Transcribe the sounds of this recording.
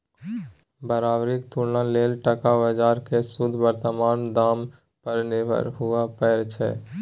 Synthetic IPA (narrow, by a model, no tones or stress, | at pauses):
bəɾaːbɾikt̪ulnaleːlʈəkabəd͡ʒaːɾkesʊd̪ʱbəɾt̪əmaːnd̪aːm | pəɾnɪbə̰ɾɦʊapɛːɾt͡ʃʰɛ̰ː